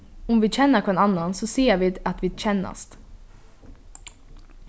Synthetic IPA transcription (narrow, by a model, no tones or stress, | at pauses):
ʊmʋiːc͡çɛnəkʰɛnɑnːɑnsɔsiːəʋiːd̪ɑt̪ʋiːc͡çɛnɑ̰st̪